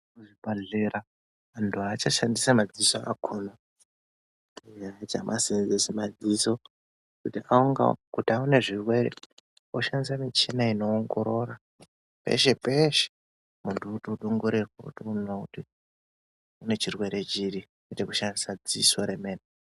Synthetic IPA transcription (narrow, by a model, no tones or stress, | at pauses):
uʐibaɮeɾa | antʰuat͡ʃaʃandisamad͡zisoa̰kʰuna | uɲaad͡zamʔasenzesimad͡ziso̞ | kutiʔauŋɡa̰kutiaune̞ʐirwe̞ɾe | oʃandis̬amit͡ʃenaino̞ːŋɡo̞ɾo̞ɾa | pḛʃe̞peʃe̥ | muntʰuutuɗuŋɡuɾirwakṵtiunouɗi | une̞t͡ʃirwe̞ɾe̞t͡ʃiɾi | kutekuʃandisad͡zisoɾemeːne